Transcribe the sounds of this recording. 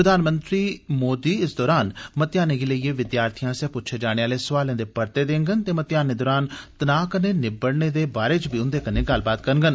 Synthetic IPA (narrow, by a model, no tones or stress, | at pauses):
ɾəd̪ʱaːnmənt̪ɾiːmoːd̪iːɪsd̪ɔːɾaːnmət̪jaːneːɡiləieːʋɪd̪jaːɾt̪ʰijãːsɛːpʊtːt͡ʃʰeːd͡ʒaːɽ̃eːaːleːsəʋaːlẽːd̪eːpəɾt̪eːd̪ẽːŋɡənt̪eːmət̪jaːneːd̪ɔːɾaːnt̪ənaːkəneːnɪbəɽneːd̪eːbaːɾeːt͡ʃbiːʊnd̪eːkəneːɡɐlbaːt̪kəɾŋɡən